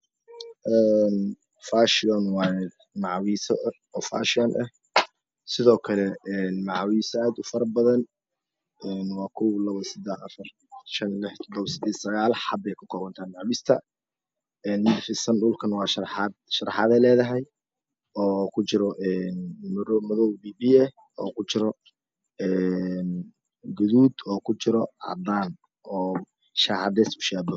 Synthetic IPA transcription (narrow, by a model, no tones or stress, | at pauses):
ʔɛːn | faːʃɪɔnwɑ | mɑʕwiːsɐ̰ | ɔːfa̰ːʃɪɔnʔɐh | sɪðɔːkʰɐlɛɛnmɑʕwiːsɔaːd̪ʊfɐɾbɐðɐn | ɛːnwɑːkʰʊlɐβɐsɪd̪ɛħɐfɐr | ʃɐnlɪħt̪ʰɔd̪ɔβsɪd̪ɛ̥ːsɐɣaːlħɑbɛjkʰʊ̥kʰɔːβɐnt̪ʰaːnmɑʕwiːst̪ʰɐ | ɛnmɪd̪fɪsɐnɖʊːlkʰɐnwɑːʃɐħɑd̪̚ʃɐɾɑħɑðɛlɛːðɐɦɛj | ɔːkʰʊt͡ʃɪɾɔʔɛnmɾmɐðɔwbiːbiːɛh | ɔːkʰʊt͡ʃɪɾɔ | ɛn | ɡʊðuːd̪ɔːkʰʊt͡ʃɪɾɔʔɑ̰d̪aːn | ʔɔː | ʃaːʕɑd̪ɛsʊ̥ʃaːb̪ɔ